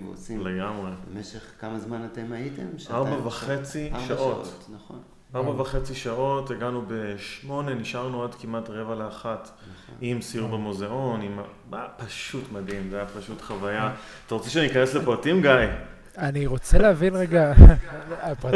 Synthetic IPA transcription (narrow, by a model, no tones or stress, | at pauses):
ileɡamʁebemeʃeχkamazmanatemajitḛmʃaʁbavaχet͡siʃaʔoon | aʁbavaχe̞t͡siʃaʔo̞teɡanube̞ʃmo̞ne̞niʃaʁnuadkimatʁe̞valeaχat | imsiuʁbemoze̞o̞nima | zapaʃutmadimzajapaʃutχavaja | t̪aʁot͡seʃeanikaneslepoatimɡaj | aniʁot͡seleavinʁeɡa